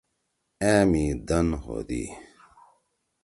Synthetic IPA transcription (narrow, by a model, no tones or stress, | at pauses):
ẽːmid̪ɐnho̰d̪ḭ